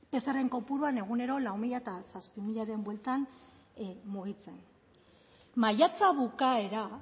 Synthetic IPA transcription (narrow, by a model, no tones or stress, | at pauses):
pe̞sare̞ŋko̞puɾuane̞ɣ̞une̞ɾo̞lawmiʎaet̪asaspimiʎaɾe̞mbwe̞lt̪an | muɣit͡se̞n | majat͡saβukae̞ɾa